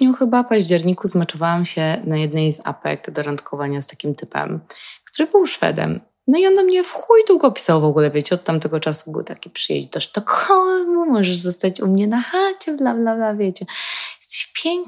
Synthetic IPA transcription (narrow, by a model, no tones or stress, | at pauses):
ɲɔ̃wxɘbafpaʑd͡ʑɛɾɲikuzmat͡ʂɔvawamɕɛnajɛd̪nɛjza̰pɛ̰ɡd̪ɔɾant̪kʰɔvaɲast̪akʲimt̪ɘpɛ̰mkt̪uɾɘbɘwʂfɛ̰d̪ɛ̰m | nɔiɔnːɔmɲɛfxujd̪uɡɔːpʲi̥sawvɔɡulɛvjet͡ɕɛɔt̪̚t̪ːamt̪ɛɡɔt͡ʂasubɘ̰wt̪akʲi̥pʂɨjɛ̰d͡ʑd̪ɔʂt̪ɔkʰɔmumɔʐɛʐzɔst̪at͡ɕumɲɛnaxat͡ɕɛblablablavʲjet͡ɕɛjɛst̪ɛ̥ɕpʲjɛŋk